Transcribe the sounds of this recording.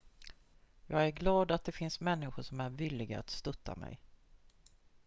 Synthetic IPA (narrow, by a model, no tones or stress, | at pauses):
jɑːɡæɾɡlɑːd̪at̪̚d̪ɛfɪnsmɛnːɪɧʊʂɔmæɾvɪlːɪɡaat̪st̪ɵt̪ʰːa̰mɛ̰j